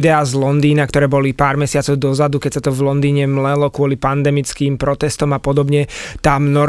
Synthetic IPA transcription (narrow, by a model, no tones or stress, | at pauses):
d̪ɛaːzlɔnd̪iːnakt̪ɔɾɛːbɔlipaːɾmɛsɪat͡sɔʊd̪ɔzad̪ukɛcsat̪ɔvlɔnd̪iːɲɛmlɛlɔkʊɔlipand̪ɛmit͡skiːmpɾɔt̪ɛst̪ɔmapɔd̪ɔbɲɛt̪amnɔ